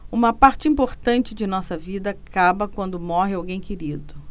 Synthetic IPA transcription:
ũmɐpaɾt͡ʃɪĩmpoɾt̪ɐ̃nt͡ʃɪd͡ʒɪnɔsɐvid̪ɐkabɐkwɐ̃nd̪ʊmɔɦɪawɡẽj̃keɾid̪ʊ

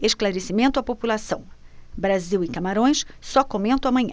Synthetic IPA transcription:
eʃklaɾesimẽnt̪ʊɐpopulasɐ̃w̃bɾaziwɪkamaɾõj̃ssɔkomẽnt̪ɐ̃w̃amɐ̃ɲɐ̃

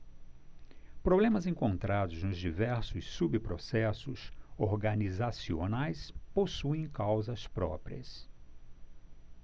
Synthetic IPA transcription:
pɾoblẽmɐzẽŋkõnt̪ɾad̪ʊznʊzd͡ʒivɛɾsʊsːubɪpɾosɛsʊsoɾɡɐnizasio̰najsposuẽj̃kawzɐspɾɔ̰pɾiɐ̰s

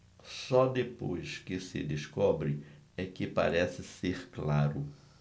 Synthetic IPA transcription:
sɔd̪epojskɪsɪ̰d̪eskɔbɾɪɛkɪpa̰ɾɛsɪseɾklaɾʊ

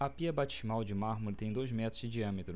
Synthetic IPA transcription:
ɐpiɐbat͡ʃɪ̥zmawd͡ʒɪmaɾmoɾɪt̪ẽj̃d̪ojzmɛt̪ɾʊzd͡ʒɪd͡ʒiɐ̃mɪt̪ɾʊ

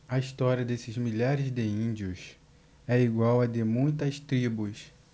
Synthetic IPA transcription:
ɐist̪ɔɾiɐd̪esɪzmiʎaɾɪzd̪ɪĩd͡ʒiʊs | ɛiɡwawɐd̪emũj̃t̪ɐst̪ɾibʊs

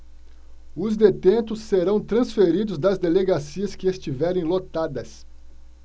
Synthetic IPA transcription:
ʊzd̪et̪ẽnt̪ʊsːeɾɐ̃w̃t̪ɾɐ̃sfeɾid̪ʊzd̪ɐzd̪eleɡasiɐskɪest͡ʃivɛɾẽj̃lot̪ad̪ɐs

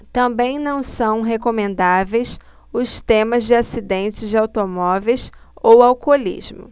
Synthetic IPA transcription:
t̪ɐ̃mbẽj̃nɐ̃w̃sɐ̃w̃ɦekomẽnd̪avejs | ʊst̪ẽmɐzd͡ʒɪasid̪ẽnt͡ʃɪzd͡ʒɪawt̪omɔvejsowawkolḭzmʊ̰

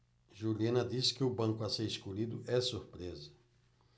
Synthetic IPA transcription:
ʒuliẽnɐd̪iskɪʊbɐ̃ŋkʊɐseɾiskolid̪ʊʔɛsuɾpɾezɐ

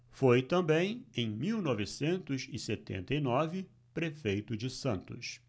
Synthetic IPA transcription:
fojt̪ɐ̃mbẽj̃ẽj̃miwnɔvɪsẽnt̪ʊzɪset̪ḛ̃nt̪ɐjnɔvɪ | pɾefejt̪ʊd͡ʒɪsɐ̃nt̪ʊs

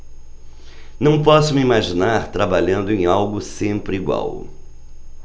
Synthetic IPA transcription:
nɐ̃w̃pɔsʊmiimaʒinaɾt̪ɾabaʎɐ̃nd̪ʊẽj̃awɡʊsẽmpɾɪiɡwa̰w

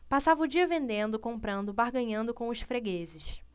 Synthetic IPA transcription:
pasavɐʊd͡ʒiɐvẽnd̪ẽnd̪ʊkõmpɾɐ̃nd̪ʊbaɦɡɐ̃ɲɐ̃nd̪ʊkõw̃ʊʃfɾeɡezɪʃ

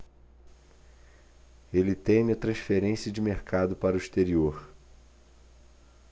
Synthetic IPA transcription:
elɪt̪ẽjmiɐt̪ɾɐ̃sfeɾẽsiɐd͡ʒɪmeɾkʰad̪ʊpaɾʊiʃt̪eɾioɾ

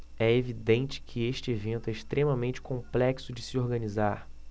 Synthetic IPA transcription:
ɛevid̪ẽnt͡ʃɪ̥kʰɪeʃt͡ʃɪevẽnt̪ʊɛɪʃt̪ɾẽmɐmẽnt͡ʃɪ̥kõmplɛksʊd͡ʒɪsɪoɾɡɐ̃nizaɾ

